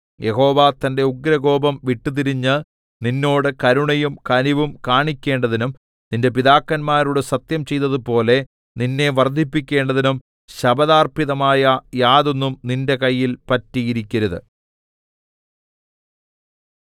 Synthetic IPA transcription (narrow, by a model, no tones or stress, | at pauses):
je̞ɦo̞ːʋat̪ɐnde̞uɡɾɐɡo̞ːbɐmʋiʈːut̪̬iɾiɲːɨ | ninːo̞ːɽɨkɐɾuɳɐjumkɐniʋumkaːɳikʲːe̞ːɳɖɐðinum | ninde̞piðaːkːɐnmaːɾuɽesɐt̪jɐmt͡ɕe̞jt̪ːɐðupo̞ːle̞ | ninːe̞ʋɐrd̪ʱːipːikʲːe̞ːɳɖɐðinum | ɕɐbɐðaːrpiðɐmaːjɐjaːðo̞nːumninde̞kɐjːilpɐtːijiɾikʲːɐɾuðɨ